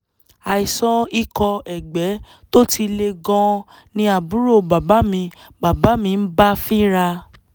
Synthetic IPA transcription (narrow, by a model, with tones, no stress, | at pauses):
a˨i˨sɔ̃˦i˦˧kɔ˧ɛ˨ɡ͡bɛ˨˦ | to˦ti˧le˧ɡɔ̃˦˧ | nĩ˧a˨bu˨˦ɾo˦˨ba˨ba˨˦mĩ˧ | ba˨ba˨˦mĩ˧n̩˦ba˦fi˦ɾa˧